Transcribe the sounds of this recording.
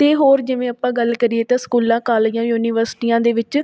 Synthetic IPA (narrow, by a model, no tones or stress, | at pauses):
t̪eːɦoːɾd͡ʒɪʋẽːəpːãːɡəlkəɾieːt̪ãːskuːlãːkaːljãːjuːniːʋəɾsɪ̥ʈiːjãːd̪eːʋɪt͡ʃ